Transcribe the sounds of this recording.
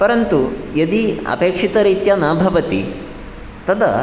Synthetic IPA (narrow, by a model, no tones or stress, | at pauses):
pɐɾɐnt̪ujɐd̪iɐ̰peːkʂit̪ɐɾiːt̪jɐnaːbʱɐʋɐt̪ḭ | t̪ɐd̪ɐ̰